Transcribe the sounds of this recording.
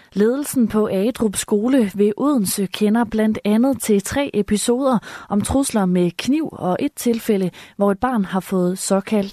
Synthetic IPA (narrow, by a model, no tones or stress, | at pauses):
le̝ːð̞ˠl̩sn̩pʰɒ̽ʔɛːd̥ʁub̥sɡ̥o̝ːləʋe̝ʔuð̞ˠn̩səkʰenɐb̥læn̰d̥ænð̞̩ˠt͡sʰe̝t͡sʰʁɛ̰ːʔepʰiso̝ːð̞ˠɐʔɒ̽mt͡sʰʁuslɐmekʰniʊ̰ɒ̽ʔe̝d̥̚t͡sʰe̝lfeləʋɒe̝d̥̚b̥ɑ̈ːnɦɑ̈fɔ̽ːð̞̩ˠsɒ̽kʰæl̰d̥